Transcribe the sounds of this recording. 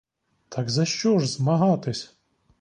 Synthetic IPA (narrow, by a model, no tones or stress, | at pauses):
t̪ʰɑɡzɐʃt͡ʃɔʒzmɐɦɑt̪ɪsʲ